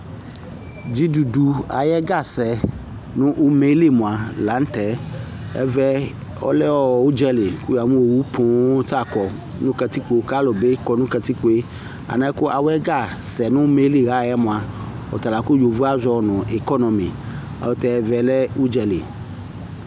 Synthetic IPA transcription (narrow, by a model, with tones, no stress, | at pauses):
d͡ʒi˦du˨du˨a̰˨jɛ˦ɡa˦˨sɛ˨ | nʊ̃˦ʔu˦me˦le˦˨mõ˨a˨la˨˦n̩˦t̪ɛ˨˦ | ɛ̰˦vɛ˦ | ɔ̰˦lɛ˦wɔ˦˨wu˦d͡ʒɛ˦le˨ku˦ja˨mũ˦wo˨wu˦pʰõ˨˦ta˦˨kɔ˨ | nũ˦ka˨t̪i˦k͡po˦ka˦lo˨be˦kɔ˨nũ˦ka˨t̪i˦k͡po˦e˦ | a̰˨nã˦ko˦ʔa˨wɛ˦ɡa˦˨sɛ˨nũ˦me˦li˦˨ɣa˦˨jɛ˦mõ˨a˨ | ɔ̰˨t̪a˨la˨ku˦jo˨vu˦a˦zɔ˦nɔ̃˨e˨kɔ˦nɔ̃˨mḭ̃˨ | a̰˨wo˦t̪ɛ˨ɛ˦vɛ˨lɛ˦u˦d͡ʒɛ˨lḛ˨